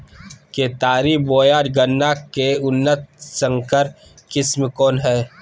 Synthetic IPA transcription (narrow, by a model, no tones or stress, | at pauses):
ket̪aːɾiːboːjaːɾɡənːaːkeʊnːət̪̚sə̃ŋkəɾ | kɪsmkoːnɦɛː